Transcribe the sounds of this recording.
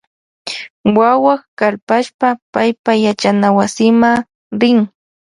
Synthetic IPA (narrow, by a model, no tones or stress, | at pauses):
wawakalpaʃpapajpajat͡ʃanawasɪma | ɾɪŋ